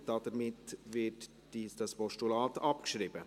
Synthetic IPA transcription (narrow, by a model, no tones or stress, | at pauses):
d̥ɑd̥əɾmɪtvɪt | isd̥ɑspɔʃtulɑːtɑpkʃɾiːbə